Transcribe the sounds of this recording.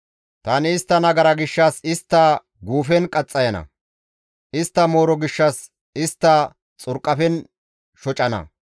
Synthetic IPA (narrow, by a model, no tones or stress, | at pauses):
t̪ɐnɪːst̪ːɐnɐɡɐɾɐɡɪʃːɐsɪst̪ːɐ | ɡuːfɛnkʼɐt͡sʼːɐjɐnɐ̰ | ʔɪst̪ːɐmo̞ːɾɔɡɪʃːɐs | ɪst̪ːɐ | t͡sʼʊɾkʼːɐfɛn | ʃɔt͡ʃʼɐnɐ̰